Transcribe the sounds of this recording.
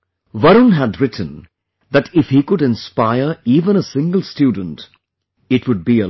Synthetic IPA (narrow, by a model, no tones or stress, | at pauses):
ʋʌɾə̃nɦædɾɪʈʰə̃n | ðætɪfhikʊɾɪ̃nspaɪəɹiːvə̃ñəsɪ̃ŋɡəl̩ˠstjuːdə̃n̩t | ɪʈwʊd̚biə